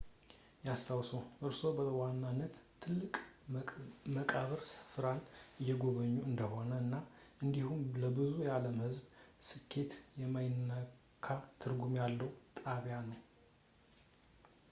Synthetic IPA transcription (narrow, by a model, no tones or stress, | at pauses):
jast̪ʰawsoʔɨɾso̞bəwanːanːət̪ʰːɨlːɨkʼ | məkʼaβɨɾsɨ̥fɾanɨjːɛɡo̞βəɲːuɨnd̪əho̞nəɨnːaʔɨnd̪ihumləbɨzujaləmhɨzbsɨkʰːe̞t̪jɛmajɪnːə | kʰat̪ʰɨɾɡumjalːəwt̪ʼaβjanəw